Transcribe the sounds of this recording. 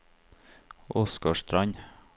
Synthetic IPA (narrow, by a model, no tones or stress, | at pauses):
ɔskɑʃt̪ɾɑɲ